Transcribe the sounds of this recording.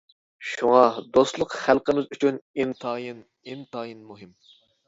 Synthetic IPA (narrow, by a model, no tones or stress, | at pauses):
ʃuŋɑd̪ost̪lˠəqχælˠqəmɪzyt͡ʃʰynint̪ʰɑjin | int̪ɑːjinmuɦɪm